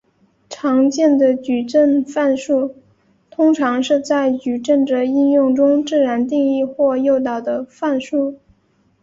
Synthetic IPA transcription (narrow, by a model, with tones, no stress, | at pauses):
ʈ͡ʂʰɑ˧˥ŋt͡ɕjɛ˥˩nd̪ə˩t͡ɕy˨˩ʈ͡ʂə˥˧nfa˥˧nʂu˥˩ | t̪ʰʊ˥ŋʈ͡ʂʰɑ˧˥ŋʂɻ̩˥˧t͡sa˥˩ɪt͡ɕy˨˩ʈ͡ʂə˥˩nʈ͡ʂə˩i˥˧njʊ˥˩ŋʈ͡ʂʊ˥ŋʈ͡ʂɻ̩˥˩ɻa˧˥nt̪i˥˧ŋi˥˧xwɔ˥˧jo˥˩ʊt̪ɑ˨˩ʊd̪ə˦fa˥˧nʂu˥˩